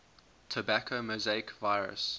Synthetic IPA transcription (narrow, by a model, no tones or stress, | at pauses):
tʰəbakʰomozeɪkvaɪɹə̰s